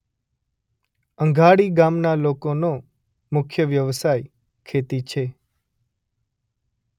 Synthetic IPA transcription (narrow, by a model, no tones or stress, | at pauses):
ə̃ŋɡʱaɽiɡamnalokono | mʊkʰjəʋjəʋsaj | kʰet̪it͡ʃʰe